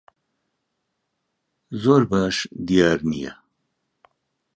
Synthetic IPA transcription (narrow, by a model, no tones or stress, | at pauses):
zoɾbaʂd̪ijaːɾnija̰